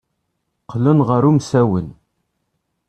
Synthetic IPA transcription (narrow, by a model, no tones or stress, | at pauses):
qʰːlənʁəɾumsæwən